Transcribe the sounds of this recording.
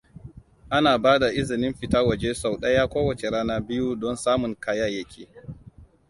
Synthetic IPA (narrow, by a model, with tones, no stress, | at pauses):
ʔa˦naː˨baː˦da˨ʔɪ˦zɪ˨nɪ˦mɸɪ˨taː˦wɐ˨d͡ʒe˦sa˨wɗɐ˦ja˦kʷoː˦wɐ˨t͡ʃe˨ɽaː˦naː˦bɪ˦ju˦dɔ˦nsaː˦mʊ˨ŋkaː˦jaː˦jɐ˦kʲʰeː˨